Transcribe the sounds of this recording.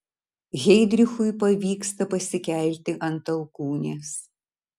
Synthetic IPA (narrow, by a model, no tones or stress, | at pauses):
ɣʲɛɪd̪ʲɾʲɪxʊjpɐʋʲiːkst̪ɐpɐsʲɪkʲɛˑlʲt̪ʲɪʔɐnt̪ɐlˠkuːnʲeːs